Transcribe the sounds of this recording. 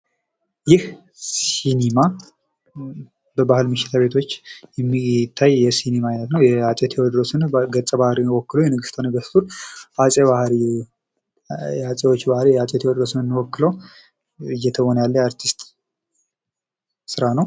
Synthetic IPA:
jɪh | sinema | bəbahɨlmɨʃːɪ̥t̪ʰaβe̞t̪ʰo̞t͡ʃːjɛmːit̪ʰːajjɛsinemajlət̪nəwjɛat͡ʃʼet̪ʰewɔd̪ɾosɨnɡət͡sʼːəbahɾiwɔkːɨləwjɛnɨɡɨst̪ʰanɨɡəst̪uɾasʼeβahɾi | at͡sʼewot͡ʃːbahɾijɛat͡ʃʼet̪ʰewɔd̪ɾosɨnɨnːɨwɔkːɨləw | ɨjːɛt̪ʰəβonjalːəjaɾt̪ʰist̪ʼ | sɨɾanəw

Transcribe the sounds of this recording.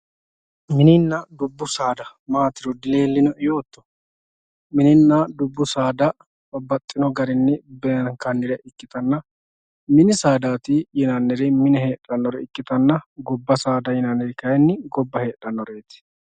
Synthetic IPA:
mɪnɪnːɐd̪ʊbːʊsaːd̪ɐ | maːt̪ɪɾɔd̪ɪle̞ːlːɪnɔɪjoːt̪ːɔ̥ | mɪnɪnːɐd̪ʊbːʊsaːd̪ɐ | bɐbɐt̪ʼːɪnɔɡɐɾɪnːɪbɛŋkɐnːɪɾɛʔɪkːɪt̪ɐnːɐ | mɪnɪsaːd̪aːt̪ɪjɪnanːɛɾɪmɪnɛhe̞ːᶑːɐnːɔɾɛɪkːɪt̪ɐnːɐɡɔbːɐsaːd̪ɐjɪnanːɛɾɪkɐjɛnːɪɡɔbːɐhe̞ːᶑːɐnːɔɾeːt̪ɪ̥

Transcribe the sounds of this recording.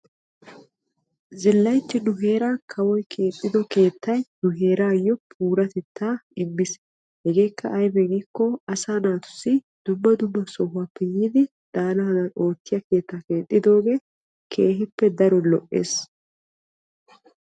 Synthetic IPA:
zɪlːɐjt̪ːɪnʊɦe̞ːɾaːkʰɐwɔjkʰe̞ːt̪ʼːɪd̪ɔke̞ːt̪ːɐjnʊɦe̞ːɾaːjːɔpʰuːɾɐt̪ɛt̪ːaːɪmːɪs | hɛɡe̞ːkːɐ̰ʔɐjbɛɡikːɔɐsaːnaːt̪ʊ̥sːɪ | d̪̥ʊmːɐd̪ʊmːɐsɔɦʊapːɛjiːd̪ɪ | d̪̥aːlɐhɐd̪ɐno̞ːt̪ːɪjɐke̞ːt̪ːake̞ːt̪ʼːɪd̪o̞ːɡeː | kʰe̞ːɦɪpːɛd̪ɐɾɔlɔʔḛːs

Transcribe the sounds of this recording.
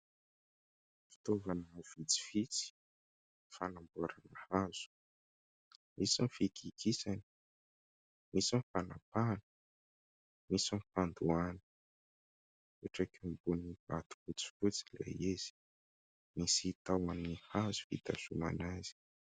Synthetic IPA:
fi̥t̪ovanəv̥it͡si̥fit͡si̥ | fanambuaɾanəhaz̥u̥ | mʔisanfikʰikʰisani̥ | misanfanapanə̥ | misanfand̪uani̥ | uʈ͡ʂakimbunib̥at̪u̥kut͡si̥fut͡silḛjez̥i̥ | misit̪awanihazu̥vḭt̪asuma̰naz̥i̥

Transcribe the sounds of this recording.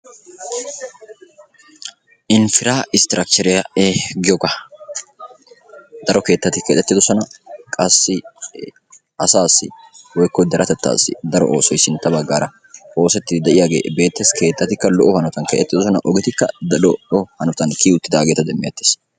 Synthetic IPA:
ʔɪnfɪɾaːɪst̪ɪɾɐk̚t͡ʃɛɾɛjɐeɡɪjɔkɐ | d̪ɐɾɔke̞ːt̪ːɐt̪ɪkeːt̪ːɛt̪ːɪd̪ɔsɔnɐkʼɐsːɪ | ɐsaːsːɪ̰wɔjkːɔd̪ɛɾɐt̪ɛt̪ːa̰ːsːɪ̰d̪ɐɾɔ̰ʔo̰ːsɔjsɪnt̪ːɐbɐɡːaːɾɐ | o̞ːsɛt̪ːɪd̪ɛʔɪjaːɡe̞̰ːbe̞ːt̪ːeːskʰe̞ːt̪ːɐt̪ɪkːɐlɔʔɔhɐnɔt̪ɐnkḛt̪ɛt̪ːɪd̪ɔs̬ɔnɐ̰ʔɔɡɛt̪ɪkːɐ̰d̪ɐlɔɔhɐnɔt̪ɐnkiːʊt̪ːɪd̪ɐːɡeːt̪ɐd̪ɛmːɪjɐt̪ːe̥ːs

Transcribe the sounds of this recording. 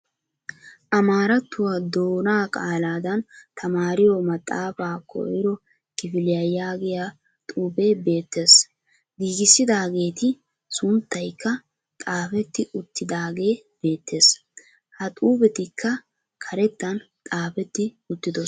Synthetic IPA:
ʔɐmaːɾɐt̪ːʊwad̪o̞ːnaːkʼaːlaːd̪ɐnt̪ʰɐmaːɾɪjɔmɐt̪ʼːaːfaːkʰɔ̰ʔɪɾɔ | kɪfɪlɪjɐjaːɡɪja | t̪ʼuːbe̞ːbe̞ːt̪ːe̞ːs | ɡiːɡɪsːɪd̪aːɡe̞ːt̪ɪ | sʊnt̪ːɐjkːɐ | t̪ʼaːfɛt̪ːɪʔʊt̪ːɪd̪aːɡe̞ː | b̥e̞ːt̪ːe̞ːs | hɐt̪ʼuːbɛt̪ɪkʰːɐ | kʰɐɾɛt̪ːɐn | t̪ʼaːfɛt̪ːɪ | ʊt̪ːɪd̪ɔ

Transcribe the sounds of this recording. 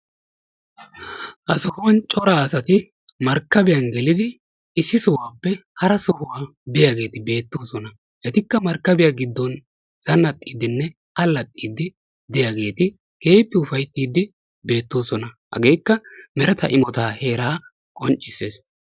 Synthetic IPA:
hɐsɔhʊwɐnt͡ʃʼɔɾaːsɐt̪ɪ | mɐɾkːɐbɪjɐnɡɛlɪd̪ɪː | sːɪsɔwaːpːɛhɐɾɐsɔhʊwaː | b̪ɪjaɡe̞ːt̪ɪbe̞ːt̪ːoːsɔnɐ | hɛt̪ɪkːɐmɐɾkːɐbɪjaːɡɪd̪ːɔn | z̥ɐnːɐt̪ʼːiːd̪ɪnːɛ | ɐlːɐt̪ʼːiːd̪ːɪ | d̪ɪjaːɡe̞ːt̪ɪ | ke̞ːpːɪʊfɐjt̪ːiːd̪ɪ | be̞ːt̪ːo̞ːsɔnɐhɐ̰ɡe̞ːjkːɐmɛɾɛt̪ɐ̰ʔɪmɔt̪aːhe̞ːɾaː | kʼɔnt͡ʃʼːɪsːe̞ːs

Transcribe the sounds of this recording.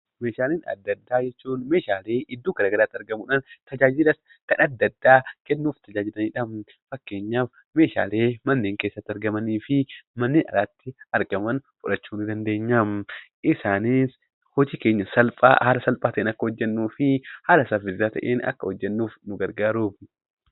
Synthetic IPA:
meːʃaːleːnɐ̰d̪ːɐd̪ːaːd͡ʒɛt͡ʃːuːnme̞ːʃaːle̞ːʔɪd̪ːuːkɐɾɐːɡɐɾaːt̪ːɐɾɡɐmʊᶑaːnt̪ɐd͡ʒaːd͡ʒɪlɐs | kɐnɐd̪ːɐd̪ːaːkɛnːuːft̪ɐd͡ʒaːd͡ʒɪlɐniːᶑɐm | fɐkːe̞ːɲːaːf | me̞ːʃa̰ːleːmɐnːeːŋkeːsːɐt̪ːɪɐɾɡɐmɐniːfɪmɐnːeːnɐ̰laːt̪ːɪɐɾɡɐmɐnfʼʊᶑɐt͡ʃːuːnɪd̪ɐnd̪e̞ːɲːamʔɪsaːnɪs | hɔd͡ʒiːke̞ːɲːɐsɐlpʼa̰halɐsɐlpʼaːt̪ɐʔeːnɐkːɐhɔd͡ʒːɛnːuːfɪhalɐsafɪzaːt̪ɐ̰ʔeːnɐ̰kːɐhɔd͡ʒːɛnːuːfnʊɡɐɾɡaːɾuːb

